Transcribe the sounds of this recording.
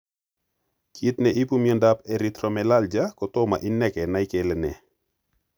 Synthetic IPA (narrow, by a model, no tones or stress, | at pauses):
kit̪nɛʔipumjɔndapɛɾit̪ɾɔmɛlald͡ʒakɔtɔma̰ʔinɛkɛnaɪkelɛnɛ̰